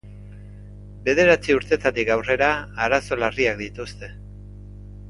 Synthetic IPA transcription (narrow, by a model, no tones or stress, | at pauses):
be̞ð̞e̞ɾat͡siuɾt̪e̞t̪at̪ikawre̞ɾaːɾaso̞lariak̚d̪it̪ust̪e̞